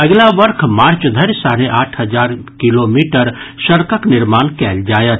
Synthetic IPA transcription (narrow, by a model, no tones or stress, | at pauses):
əɡlaʋəɾkʰmaːɾt͡ʃd̪ʱəɾsaɾeʔaːʈʰɦəd͡ʒaɾkilomiʈəɾʃəɾkəknɪɾmaːnkɛld͡ʒaːjət̪̚